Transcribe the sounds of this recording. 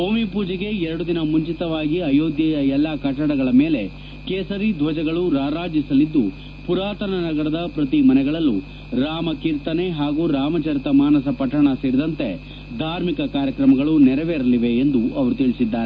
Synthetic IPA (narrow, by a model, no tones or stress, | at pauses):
oːmipuːd͡ʒɐɡe̞ɛɾɐɽud̪inɐmuɲt͡ʃit̪ɐʋaːɡiɐjoːd̪jɐjɐɛlːakɐʈːɐɽɐɡɐɭɐmeːle̞ | keːsɐɾid̪ʱʋɐd͡ʒɐɡɐɭuɾaːɾaːd͡ʒisɐlid̪ːu | puɾaːt̪ɐnɐnɐɡɐɾɐd̪ɐpɾɐt̪imɐnɛɡɐɭɐlːu | ɾaːmɐkiːɾt̪ɐne̞ɦaːɡuːɾaːmɐt͡ʃɐɾit̪ɐmaːnɐs̬ɐpɐʈːɐɳɐseːɾid̪ɐnt̪e̞ | d̪ʱaːɾmikɐkaːɾjɐkɾɐmɐɡɐɭunɛɾɐʋeɾɐliʋe̞ːnd̪uʔɐʋɐɾut̪iɭisid̪ːaːɾe